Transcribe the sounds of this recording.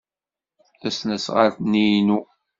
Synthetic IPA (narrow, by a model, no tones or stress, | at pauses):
θæsnæsʁa̰ɾθnijnu